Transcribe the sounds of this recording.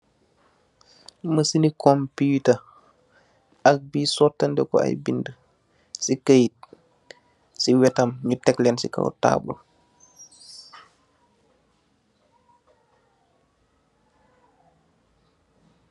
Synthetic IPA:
məsinikɔmputɐ | ɐk̚biːsɔtːɐndɛkɔ̰a̰jbində | sikəjit̚ | siwɛtɐmɲutɛklɛnsika̰wta̰ːbɔ̰l

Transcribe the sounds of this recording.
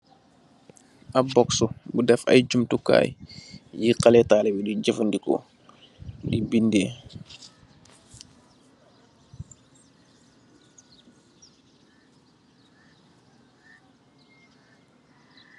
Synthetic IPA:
ʔabɔksubudɛfa̰jɟumtuka̰ːjjiqalɛtaːlɛbidiɟəfundikɔ̰ | ndibindɛː

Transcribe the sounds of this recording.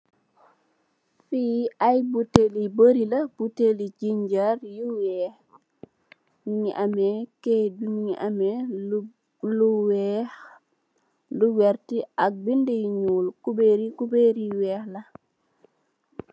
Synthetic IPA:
fiːʔajbuteliboɾilab̥utelid͡ʒiɲd͡ʒaɾjuwɛx | miɲiʔamɛkedumiɲiʔamɛ | luwɛx | luwɛɾtiak̚bindijɲuːlkubeɾikubeɾiwɛːxla

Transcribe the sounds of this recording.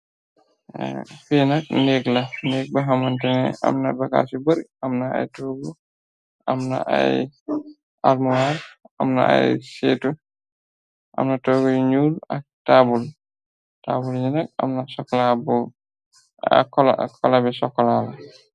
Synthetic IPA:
fɛnak̚neɡlaneɡ̚baɦamantɛnɛ̰a̰mnabaka̰sibəɾʔamnaa̰jtɔːɡɔ | ʔamna̰ʔa̰j | ʔaɾmuwaɾʔa̰mna̰ʔa̰jsɛtu | ʔa̰mnatɔɡɔjɲuːlak̚taːbul | tabulɲinak̚a̰mnasɔkːlabɔ | kɔlakʰɔlabɛsɔkːɔlaba

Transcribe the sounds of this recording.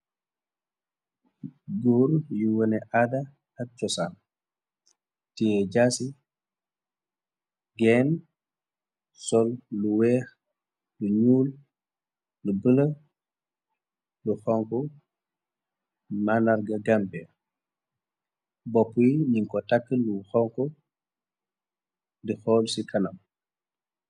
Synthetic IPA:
ɡoːɾjuwonɛʔada | at͡ʃɔsan | tiɛɟaːsi | ɡɛːn | sɔlːuwɛːx | luɲuːl | lubələ | luxɔŋkɔ | manaɾɡaɡampɛ | bɔpːujiniŋkɔtakːəluxɔŋkɔ | dixɔːlsikʰanam

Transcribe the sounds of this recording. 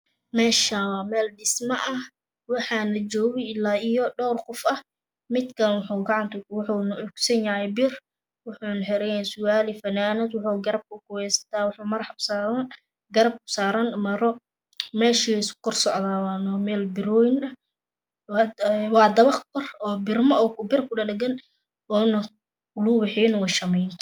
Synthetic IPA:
mɛːʃaːwɑːmɛːlɖɪsmɐʔɐh | wɑħɑːnɐt͡ʃɔːɣɪɪlːaːijɔɖɔːrqʊfɐh | mɪd̪kʰɐnwʊħuːɡɑʕɑnt̪ʊwʊħunɐʔʊɡsɐnjɐhɛjbɪr | wʊħuːnɐħɛɾɛjɛnsʊaːlɪfɐnaːnɐd̪wʊħuɡɐɾɐb̚kʰʊkʊwɛsɐ̥t̪ʰaːwɑħuːmɐrħɑbsaːɐ | ɡɐɾɐb̚kʊ̥saːɾɐnmɐɾɔ | mɛːʃiskʰɔrsɔʕðaːwɑnɔmɛːlbɪɾɔːjɪnɐ | wɑːd̪ɐβɐχkʰɔrɔːbɪrmɔɔːkbɪrkʰʊɗɐɗɐɡɐn | ɔːnɐ | lubɪħinwɑʃɐmɛjnt̪ʰ

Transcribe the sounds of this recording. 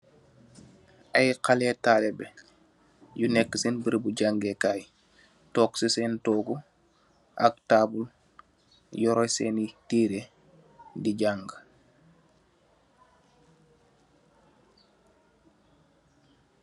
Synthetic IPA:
ajqalɛtaːlɛbɛ | junɛkːəsenbəɾbuɟaŋɡekaːj | tɔːksisɛntɔːɡu | ʔa̰k̚taːbul | jɔɾɔjsɛːnitiːɾe | diɟaŋɡ

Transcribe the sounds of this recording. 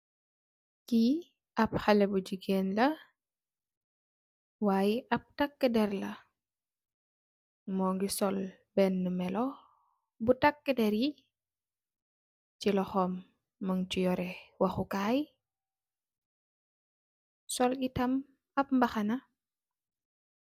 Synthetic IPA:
ki | ʔɐp̚xɐlɛbud͡ʒiɡeːnlɐ | waːjiʔɐp̚tɐkːədɛɾlɐ | mɔːŋɡisɔl | bɛnːəmɛlɔ | butɐkːədɛɾi | t͡ʃilɔxɔmː | əŋt͡ʃujɔɾɛwɐxukaːj | sɔlitɐm | ɐp̚mbɐxɐnɐ

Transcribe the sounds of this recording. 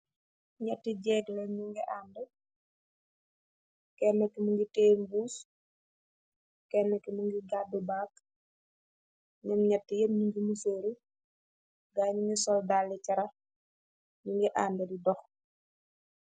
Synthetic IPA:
ɲɛtːiɟɛːɡlɐɲuŋɡɛʔaːndɛ | kɛnːɛkːimuŋɡiteːnbuːs | kɛnːɛkɛmuŋɡiɡadubaːk | ɲɐmɲɛtːijɛmɲuŋɡimuseːɾu | ɡaːɲuŋɡisɔldaːlːɛcɐɾɐ | ɲuŋɡɛʔandɛdidɔx

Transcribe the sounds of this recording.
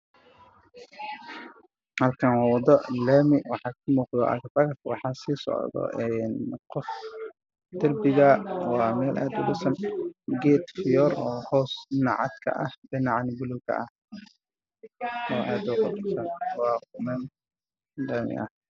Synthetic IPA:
hɐlkʰɐnwɑːwɑd̪ɔlɛːmɪwɑħɑːkʰʊmuːqd̪ɔʔɐ̰kfɐɣtwɑ̰ħɑːsiːsɔ̰ʕd̪ɔ̰ʔɛːnqɔf | d̪ɐrbɪɣɐwɑːmɛːlʔaːd̪ʊbʊsɐnɡɛːt̪fɪjɔrɔːhɔːsnɑʕɑ̰d̪kʰɐ̰ʔɐhbɪnɑʕɑnɪbʊlʊkʰɐ̰ʔɐh | ɔːʔaːd̪ʊqʊdʊsɐnwɑːqʊmɛːn | lɛːmɪ̰ʔɐh

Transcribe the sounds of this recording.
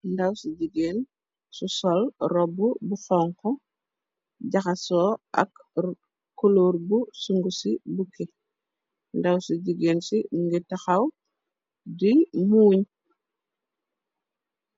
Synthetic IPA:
ndɐwsuɟiɡeːn | susɔlrɔbːubuxɔŋkɔ | ɟaxɐsɔːʔɐ̰kː | oloːɾbusuŋɡusibuke | ndɐwsuɟiɡeːnsimuŋɡitɐxɐw | dimuːɲ

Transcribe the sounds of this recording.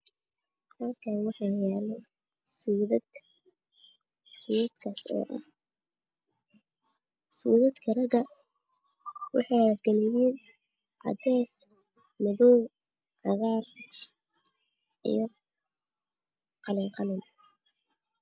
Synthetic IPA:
aːkʰanwɑħɑːjaːlɛ | suːðɐd̪ | suːðɐd̪̥kʰɐsɔ̰ːʔɐ̰h | sṵːðɐd̪kʰɐrɐɡɐ | wɑ̰ħɑjɐɡɛlɛjɛːn | ʕɑ̰d̪ɛːs | mɐðɔw | ʕɑɣaːr | ḭjɔ | qɑlɪŋqɑlɪn

